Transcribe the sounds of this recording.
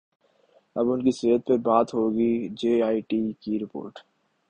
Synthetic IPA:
ɐbʊnkiseɦət̪̚pəɾbaːt̪ɦoɡid͡ʒeːaːiʈikiɾɪpo̰ːɾʈ

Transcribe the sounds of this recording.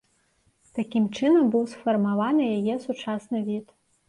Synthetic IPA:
t̪akʲimt͡ʂɨnɐmbɨwsfɐrmavanɨjajɛsut͡ʂasnɨvʲit̪

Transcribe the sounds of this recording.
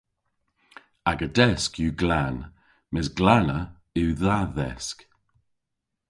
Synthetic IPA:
aɡədɛskjuɡlan | mɪsɡlanə | ɪwðaðɛ̰sk

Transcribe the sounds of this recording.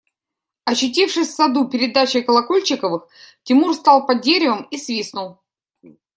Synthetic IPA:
ɐɕːʊt̬ʲifʂɨsʲfsɐd̪upʲɪɾʲɪd̪at͡ɕɪkəlˠɐkolʲt͡ɕɪkəvɨx | tʲɪmurst̪ɑlˠpɐdʲeɾʲɪvəmisvʲisnʊlˠ

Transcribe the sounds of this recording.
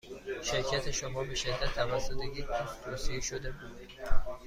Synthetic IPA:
ʃeɾcʰæt̪ʰeʃomɒbeʃed̪ːæt̪ʰːævæsːot̪ʰeɡʲek̪ʰost̪ʰoːsieʃod̪ebud̪

